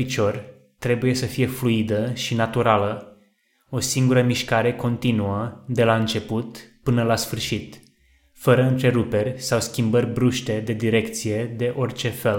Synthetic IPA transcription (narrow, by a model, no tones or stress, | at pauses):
pit͡ʃo̞rʲ | t̪ɾe̞buje̞səfije̞fluid̪əʃinat̪uɾalə | o̞siŋɡuɾəmiʃkaɾe̞ko̞nt̪inuəd̪e̞laɨnt͡ʃe̞put̪pɨnəlasfɨrʃit̪ | fəɾəɨnt̪ɾe̞ɾupe̞rʲsawskʲimbərʲbɾuʃt̪e̞d̪e̞d̪iɾe̞kt̪sije̞d̪e̞ʔo̞rt͡ʃe̞fe̞l